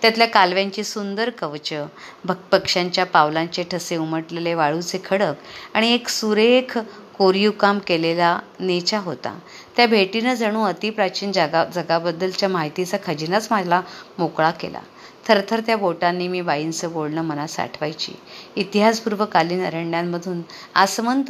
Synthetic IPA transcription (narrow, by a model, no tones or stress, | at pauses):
t̪jat̪ljakalʋjaɲt͡ɕiːsund̪əɾkəʋt͡ɕəbəpəkʂaɲt͡ɕjapaʋlãɲt͡ɕeʈʰəseuməʈleleʋaɭuːt͡sekʰəɽəkaɽ̃ieksuɾekʰ | koɾijukamkelelanet͡ɕaɦot̪a̰ | t̪jabʱeʈinəd͡zəɽ̃uːət̪iːpɾat͡ɕiːnd͡zaɡad͡zəɡabəd̪ːəlt͡ɕjamaɦit̪it͡sakʰəd͡ʑinat͡smad͡zʱlamokɭakḛla̰ | t̪ʰəɾt̪ʰəɾt̪jaboʈanːiːmiːbaint͡səbolnəːmənasa̰ʈʰʋajt͡ɕḭːit̪iɦaspuɾʋəkaliːnə̰ɾəɳɖjamːəd̪ʱuːn | asəmənt̪